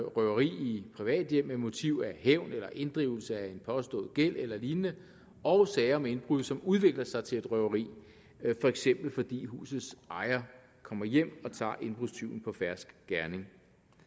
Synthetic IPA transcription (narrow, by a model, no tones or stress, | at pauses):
ʁœʊɐʁḭːipʰʁiʋɛ̰ːd̥jem̰emo̝t͡sʰiʊ̰æheʊ̰nelɐʔe̝nd̥ʁḭʊl̩səæe̝npʰɒ̽sd̥ɔ̰̽ːð̩ˠɡ̥el̰elɐliːnənə | ɒ̽ʊsɛɪɐɒmee̝nb̥ʁuðˠsɒ̽muð̞ˠʋe̝ɡ̥lɐsɑ̈ɪt͡sʰe̝e̝d̥ʁœʊɐʁḭː | fɒ̽eɡ̥sem̰b̥l̩fɒ̽d̥ḭːɦṵːsð̩ˠsɑ̈ɪɐ | kʰɒ̽m̰ɐjem̰ɒ̽t͡sʰɑ̰̈ːʔe̝nb̥ʁust͡sʰiʊn̩pʰɒ̽fæɐsɡ̥ɡ̥æɐne̝ŋ